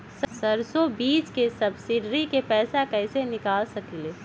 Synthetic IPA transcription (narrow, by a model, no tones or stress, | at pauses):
ssɐɾsobiːt͡ʃkesɐbsɪɖɾikepɛːsakɛːsenɪkaːlsɐkileː